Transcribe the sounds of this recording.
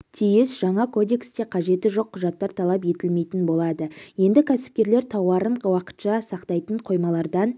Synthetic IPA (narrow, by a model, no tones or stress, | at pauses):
t̪ʰijɪsʒɑɴɑkʰo̞d̪e̞kst̪e̞qʰɑʒe̞t̪ɪʒo̞qʰːʊʒɑt̪ːɑɾt̪ʰɑlˠɑp̬je̞t̪ɪlme̞jt̪ɪnbo̞lˠɑd̪əje̞nd̪ɪkʲʰæsɪ̥p̚kʲe̞ɾle̞ɾt̪ʰɑwɑɾəɴwɑqə̥t̪ʃɑsɑqt̪ɑjt̪əɴqʰo̞jmɑlˠɑɾd̪ɑn